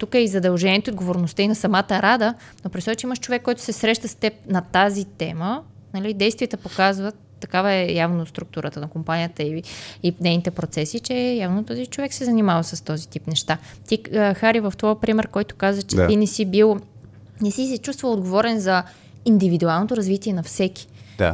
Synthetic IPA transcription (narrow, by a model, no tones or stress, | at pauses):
t̪ukəizɐd̪ɐlˠʒɛniɛt̪od̪ɡovoɾnost̪əinɐsɐmat̪əɾad̪ə | nopɾɛsɔt͡ʃɛiməʃt͡ʃovɛkːɔjt̪ʊ̥sɛsɾɛʃt̪əst̪ɛp̚nɐt̪azit̪ɛmənɐlid̪ɛjst̪vʲiɛt̪əpokazvət̪ːɐkavəɛjavnost̪ɾuk̚t̪uɾət̪ənɐkompanijət̪əiinɛjnit̪ɛpɾot̪sɛsit͡ʃɛjavnot̪ɔzit͡ʃovɛksɛzɐnimavəsɐst̪ɔzit̪ipnɛʃt̪a | t̪ixaɾivəft̪vɔjpɾimɛɾkɔjt̪ʊ̥kazvət͡ʃɛainɛsibilˠ | nɛsisɛt͡ʃust̪vəlˠod̪ɡovɔɾɛnzɐ | ind̪ivid̪ualˠnot̪oɾɐzvit̪iɛnɐfsɛkʲi̥a̰